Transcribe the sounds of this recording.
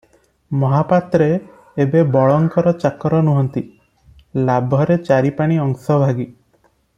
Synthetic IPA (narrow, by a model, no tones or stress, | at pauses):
mɔɦapat̪ɾeː | bebɔɭɔŋkɔɾɔt͡ʃakɔɾɔnuɦɔnt̪i | labʱɔɾet͡ʃaɾipaɽ̃iɔŋsɔbʱaɡi